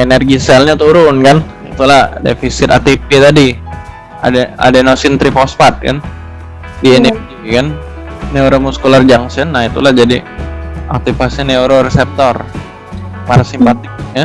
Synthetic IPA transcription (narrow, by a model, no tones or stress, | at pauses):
enɛrɡisɛlɲat̪uɾʊnkan | it̪ulahdḛfisɪt̪at̪ipit̪adi | a̰daa̰danosɪnt̪ɾipɔspat̪̚ka̰n | dienɛrɡikanː | euɾomuskulard͡ʒaŋsɛnːait̪ṵlad͡ʒadi | a̰k̚t̪ipasɲaneuɾorɛsɛp̚t̪ɔr | paɾasimpat̪ɪk̚ja